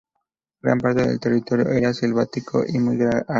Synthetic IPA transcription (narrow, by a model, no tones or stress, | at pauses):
ɡɾa̰mpaɾt̪eðe̞̰lt̪e̞rit̪o̞ɾjo̰ʔe̞ɾasilβat̪ikʰo̞̰ʔimujɣɾaa